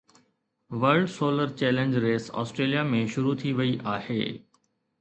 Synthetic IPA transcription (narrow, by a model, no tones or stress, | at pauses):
ʋəɾɖsoːləɾt͡ɕɛːlẽnd͡ʑɾeːsɔ̰ːsʈɾeːlijamẽʃʊɾut̪ʰiʋɐiʔaːhḛː